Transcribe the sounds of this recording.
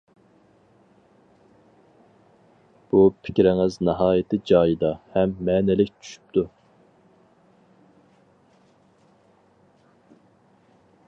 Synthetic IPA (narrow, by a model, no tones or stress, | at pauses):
b̥upʰɪ̥kʲɾɪŋɪznɑɦɑːjɪt̪ʰɪd͡ʒɑːjid̪ɑhɛmːɛːnɪlɪkʲt͡ʃʰy̥ʃy̥p̚t̪ʰu